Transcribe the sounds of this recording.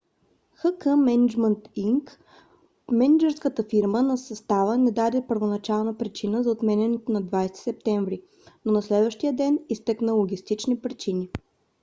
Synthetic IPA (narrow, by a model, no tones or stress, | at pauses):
xəkəmɛnid͡ʒmənt̪iŋk | mɛnid͡ʒɛɾskət̪əfiɾmənɐsɐst̪avənɛd̪ad̪ɛpəɾvonɐt͡ʃalˠnəpɾit͡ʃinəzɐot̪mɛnɛnɛt̪onɐd̪vajst̪i̥sɛp̚t̪ɛɱvɾi | nonɐslɛd̪vəʃt̪ijəd̪ɛnist̪ɛknəlˠoɡʲist̪it͡ʃnipɾit͡ʃini